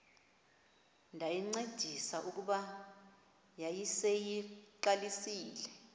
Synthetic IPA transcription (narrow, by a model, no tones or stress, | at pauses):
ndʱajiŋ͡ǀed̥ʱisaʔuk̬uɓa | jajisejiǃalisiːlɛ